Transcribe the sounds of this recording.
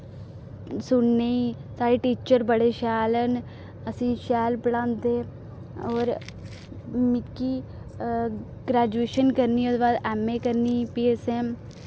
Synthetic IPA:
sʊɳneːiːsaːɾeːʈiːt͡ʃəɾbəɽeːʃɛːlən | əsĩːʃɛːlpəɽãːnd̪eː | ɔːɾ | mɪkːiː | ɡɾɛːd͡ʒueːʃənkəɾniːd̪baːd̪ɛːmeːkəɾniːpiːeːsɛːm

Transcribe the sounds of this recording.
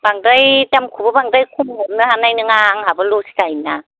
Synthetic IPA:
b̥aŋdajtamkʰubɐbaŋdajkʰuŋɔmnɯhanajnɯŋaŋɦabɯlosi̥tajna

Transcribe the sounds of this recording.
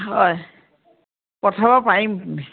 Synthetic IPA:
ɦɔj | kɔtʰabapaɹim

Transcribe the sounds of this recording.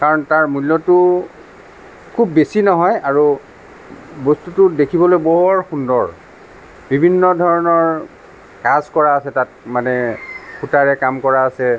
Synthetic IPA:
kaɹɔntaɹmulːɔtʊ | kʰubːesinɔɦɔjaɹu | bɔstutʊdekʰibɔlojbɔɦɔɹxundɔɹ | bibʱinːɔdʱɔɹɔnɔɹ | kazkɔɹaːsɛtat̚manɛxʰutaɹɛkamkɔɹaːsɛ

